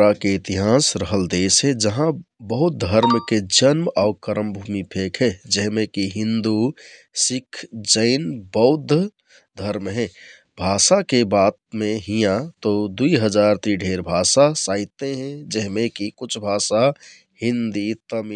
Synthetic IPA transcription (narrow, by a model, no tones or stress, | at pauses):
ɾakeɪt̪iɦasɾəɦəld̪esɦɛ̃d͡ʒəɦãbəɦut̪̚d̪ʱəɾmked͡ʒənmakəɾəmbʱumipʰekɦɛd͡ʒɛɦmẽkiɦĩnd̪u | sikʰːd͡ʒəɪnbəɦud̪ʱː | d̪ʱəɾmɦɛ̃ | bʱasakebat̪̚meɦijãt̪od̪uiɦəd͡ʒaɾt̪ɾiɖʱeɾbʱasasaɪt̪eɦɛ̃d͡ʒɛɦmẽkikut͡ʃʰbʱasa | hĩnd̪it̪əm